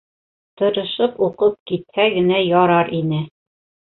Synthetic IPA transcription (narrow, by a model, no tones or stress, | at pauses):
t̪ɤ̆ɾɤ̆ʃɤpuqɤp̚kit̪̚hæɡɘ̆næjɒɾɑɾʔinɘ